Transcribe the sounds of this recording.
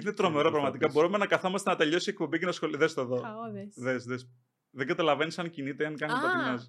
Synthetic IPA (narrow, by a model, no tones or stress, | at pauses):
inet̪ɾo̞me̞ɾo̞pɾɐɣmɐt̪ikɐbo̞ɾume̞nɐkɐθo̞mɐst̪enɐt̪e̞ʎo̞siek̚po̞bicenɐsxoliðest̪oðoðesðes | ðeŋɡɐt̪ɐlɐve̞nisɐncinit̪eɐnkɐniɐt̪ɲɐs